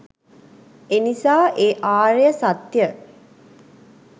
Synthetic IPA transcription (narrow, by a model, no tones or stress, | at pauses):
enisaːʔeʔaːɾejəsat̪ːjə